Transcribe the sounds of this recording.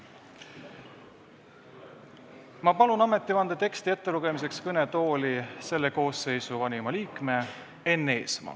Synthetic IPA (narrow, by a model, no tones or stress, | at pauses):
mɑpɑlunɑme̞t̪ːˑivɑnd̪ɑt̪e̞kst̪ie̞t̪ːe̞ɾuɡ̥e̞mise̞kskɤne̞t̪o̞ːlise̞lːeko̞ːse̞jsuvɑnʲimɑliːkme̞ | e̞nːe̞ːsmɑ̰